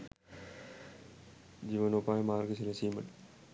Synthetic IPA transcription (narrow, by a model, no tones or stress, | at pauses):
d͡ʑiːʋɐnopːaːjmaːrɡɐsilɐsiːmɐʈ